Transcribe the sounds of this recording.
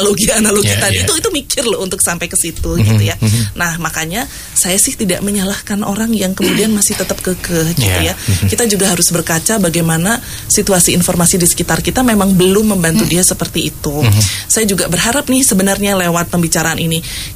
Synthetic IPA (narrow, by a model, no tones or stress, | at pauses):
loɡianaloit̪adit̪uit̪umikʰɪrlɔunt̪ʊksampajkəsit̪uɡit̪ujanahmakaɲa | sajasɪht̪ida̰ʔməɲəlahkanʔo̰ɾaŋjaŋkəmudianmasɪht̪ət̪əp̚kəkəhɡit̪ujakit̪ad͡ʒuɡaɦaɾʊsbərkat͡ʃabaɡajmana | sit̪uasiːnformasidisə̥kit̪arkit̪amemaŋbəlʊmːəmbant̪udiasəpərt̪iːt̪usajad͡ʒuɡabərɦaɾap̚nɪhsəbənarɲalewat̪̚pəmbit͡ʃaɾaːnini